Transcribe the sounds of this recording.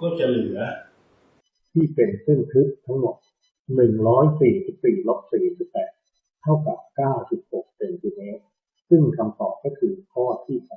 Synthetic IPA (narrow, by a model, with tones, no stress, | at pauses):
kɔː˥˩t͡ɕa˨˩lɯ˨˩˦ɐ˦ | t̪ʰiː˥˩pe˧nsɯ˥˩ŋt̪ʰɯ˦˥t̚t̪ʰːa˦˥ŋmo˨˩t̪̚ | nɯ˨˩ŋɾɔː˦˥jsiː˨˩si˨˩p̚siː˨˩lo˦˥p̚siː˨˩si˨˩pːɛː˨˩t̪̚ | t̪ʰːa˥˩wka˨˩p̚kaː˥˩wsi˨˩p̚ho˨˩k̚se˧ntiː˧˩meː˦˥ʔ | sɯ˥˩ŋkʰa˧mt̪ɔː˨˩p̚kɔː˥˩kʰɯː˧kʰɔː˥˩t̪ʰiː˥˩sa˨˩